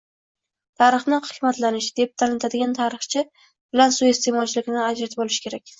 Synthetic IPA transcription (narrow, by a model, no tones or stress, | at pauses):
t̪ʰaɾɨχnɪhɨkmat̪lanɪʃd̪̥ep̚t̪ʰalɪnt̪ʰad̪ɪɡʲant̪ʰaɾɨχt͡ʃʰɪ | bɪlansʊe̞st̪ʰe̞mɒt͡ʃʰɪlɪkʲɪnɪad͡ʒɾat̪ʰɪbolɪʃɪ̥kʲʰe̞ɾak̚ʲ